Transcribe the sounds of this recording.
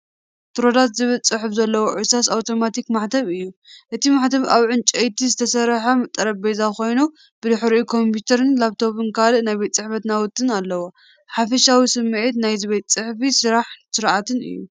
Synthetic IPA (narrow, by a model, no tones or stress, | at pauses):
t̪ʰɨɾod̪at̪zɨβɨlt͡sʼɨħfzɐlːɐwoʕusasawt̪ʰo̞mat̪ikmaħt̪ʰɐβɨjːuʔɨt̪ʰimaħt̪ʰɐβa̰βʕɨnt͡ʃʼɐjt̪ʰizɨt̪ʰɐsɐɾħɐmɨt̪ʼːɐɾɐbbezako̞jnu | b̥ɨd̪ɨħɾikʰo̞mput̪ʰɐɾɨnlaβt̪ʰo̞βɨnkalɨʔnajbet̪ʼt͡sʼɨħfɐt̪nawʊt̪ʼːɨnalːɐwo | ħafɐʃawisɨmːʕit̪najziβet̪t͡sʼɨħfisɨɾaħsɨɾʔat̪ʰɨnɨ̰jːu